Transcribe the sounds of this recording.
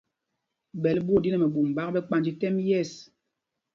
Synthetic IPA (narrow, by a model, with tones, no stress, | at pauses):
bɛ˨lbo˦˨di˦nɛ˨mɛ˨ɓu˨m˨ba˦k̚bɛ˦k͡pa˦˨nd͡ʒi˦tɛ˦mjɛ˦˨s